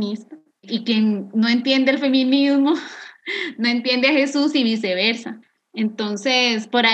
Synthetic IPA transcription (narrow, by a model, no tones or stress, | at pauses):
nist̪a | ikjenno̞e̞nt̪je̞nd̪elfe̞mĩnizmo | noe̞nt̪je̞nd̪eaxe̞susiβise̞βe̞ɾsa | ent̪o̞nse̞spoɾa